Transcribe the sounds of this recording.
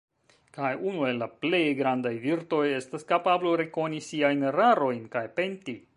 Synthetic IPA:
kajunue̞lːaple̞jɡɾandajviɾto̞je̞staskapabloɾe̞ko̞nisiajnɾaɾo̞jnkajpe̞nti

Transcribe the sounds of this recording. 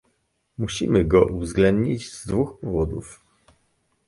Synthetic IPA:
muɕimɘɡɔʔuvzɡlɛnd̪ɲid͡ʑz̥d̪vuxpɔvɔd̪uf

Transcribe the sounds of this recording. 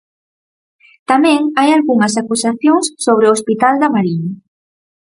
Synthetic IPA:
t̪amɛ̃ŋajalɣuŋɐs̬akusaθjoŋsːoβ̞ɾeoospit̪ald̪amaɾiɲa

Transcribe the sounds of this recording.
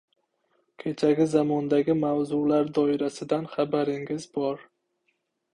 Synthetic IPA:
kʲʰe̞t͡ʃʰaɡʲɪzamɒnd̪aɡʲɪmawzʊlaɾd̪ɒɪɾasɪd̪anχabaɾɪŋɪzbɒɾ

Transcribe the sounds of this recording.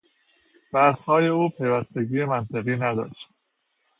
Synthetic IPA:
b̥æshɒːje̞uːpʰe̞jvæst̪e̞ɟiːemænt̪ʰeɣiːnæd̪ɒ̰ːʃt̪

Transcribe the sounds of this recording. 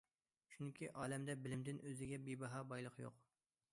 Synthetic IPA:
t͡ʃʰyŋkʲʰiʔɑːlɛmd̪ɛbɪlɪmd̪ɪnøzɪɡʲɛbibɑɦɑbɑjlˠəqjo̰q

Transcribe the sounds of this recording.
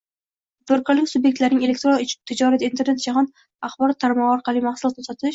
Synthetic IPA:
b̪oɾkʰɒɾlɪkʲsʊbje̞k̚ʲt̪laɾnɪŋʲe̞lek̚ʲt̪ɾot̪ʰɪd͡ʒɒɾad̪aint̪ʰe̞ɾne̞t̪̚d͡ʒaɦɒn | aχbɒɾɒt̪ʰːaɾmɒʁɒɾqʰɑlijmaχsulˠɒt̪nasɒt̪ʰɪʃ

